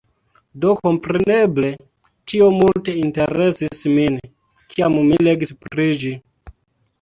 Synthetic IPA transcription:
do̞ko̞mpɾe̞ne̞ble̞ | tio̞multe̞inte̞ɾe̞sismin | kʰiammileɡispɾid͡ʒi

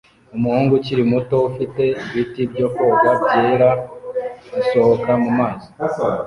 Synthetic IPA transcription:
umuhuːŋɡuciɾimuto̞ufite̞iβitibɟo̞ːko̞ːɡabɟeːɾa | ɡuso̞hokamumaːzi

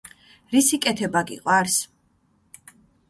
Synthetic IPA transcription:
ɾisikʼɛt̪ʰɛbaɡḭqʼwaɾs

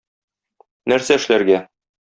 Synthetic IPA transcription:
næɾsæɘ̆ʃlæɾɡæ

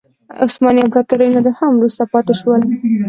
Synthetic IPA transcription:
o̰smɑniabɾɑt̪oɾajnad̪ahamwɾust̪apɑt̪ɪʃwəl

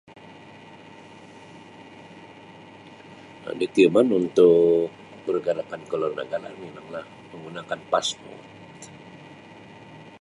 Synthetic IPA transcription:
a̰dik̪imanunt̪ʊkk̚ | bərɡaɾapankəlɔrnə̰ɡaɾa̰minaŋlah | məŋɡunakanpasmṵ | t

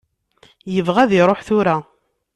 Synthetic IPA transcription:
jəvʁæðɪɾˤoħθʊɾa

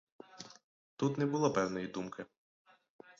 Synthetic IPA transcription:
t̪ut̪nɛbʊlˠapɛwnɔjid̪umkʰɪ

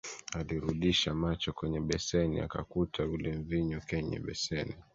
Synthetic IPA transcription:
aliɾuɗiʃamat͡ʃɔkwɛɲɛɓɛsɛnia̰kakutʰauliɱviɲukɛɲɛ̰ɓɛsɛni

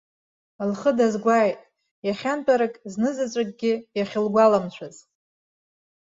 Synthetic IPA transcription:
lχədazɡʷajtʼ | jaχʲant͡pʼaɾakʼznɨzat͡ɕʷʼakʼɡʲɪjaχʲɪlɡʷalamt͡ɕʷʰaz̥

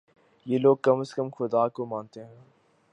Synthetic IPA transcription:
jeːloːɡ̚kɐməskəmxʊd̪aːkomãːnt̪eɦɛ̃ː

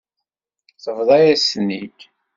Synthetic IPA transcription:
θəvðˤɑjæsnːiç

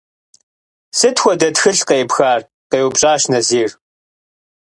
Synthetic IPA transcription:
sɨtxʷɔdɐtxɨɬqeːpxaːr | qeːwʊbɕʼaːɕnɐziːr

